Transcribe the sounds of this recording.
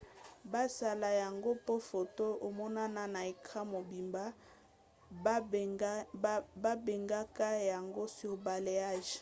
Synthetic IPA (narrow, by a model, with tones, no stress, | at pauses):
ba˦sa˦˨la˨ja˨ŋɡo˦po˦fo˨to˦o˨mɔ˦na˦na˦na˨e˨kʰa˦mo˨bi˨mba˦ | ba˦be˨ŋɡa˦ka˦ja˨ŋɡo˦si˨o˨ba˨le˨a˦˨ʒ